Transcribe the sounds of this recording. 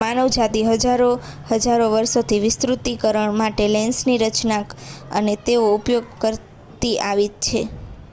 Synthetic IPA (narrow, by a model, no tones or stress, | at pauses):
manəʋd͡ʒad̪iɦəd͡ʒaɾohəd͡ʒaɾoʋəɾsot̪ʰiʋɪst̪ɾut̪ikəɾəɳmaʈelensniɾət͡ʃnakə̰net̪eoupjoɡ̚kəɾ | t̪iaʋit̪̚t͡ʃʰe